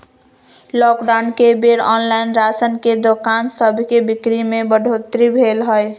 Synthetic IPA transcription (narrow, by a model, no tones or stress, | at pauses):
lɔkɖaʊnkebeɾɔnlaɪnɾasənked̪okansəbʱkebikɾimebəɖʱot̪ɾibʱelɦəj